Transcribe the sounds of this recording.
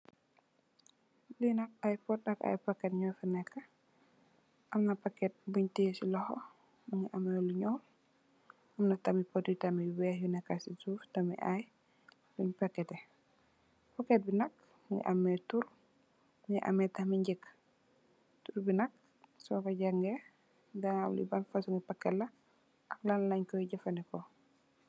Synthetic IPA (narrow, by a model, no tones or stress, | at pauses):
linak̚ajpɔtːaka̰jpakːɛtɲɔfɛnɛkːa | ʔamnapakːɛt̚buɲtisilɔhɔ̰ | muŋiʔamɛluɲɔm | ʔamnatamipoditamiwɛjunɛkasizuftamḭʔaj | luɲpɐkːɛtɛ | pɐkːɛt̚binɐk | mŋɡḭʔɐmːɛtuɾ | mŋiʔɐ̰mɛtɐhmiɲɟɛkː | turbinɐk̚ | sɔkɔɟɐŋɡɛ | dɐŋawlḭbɐnfɐsuŋɡipɐkːɛtlːɐ | ʔɐklɐnlɐɲkɔjiɟɐfɐnɛkɔ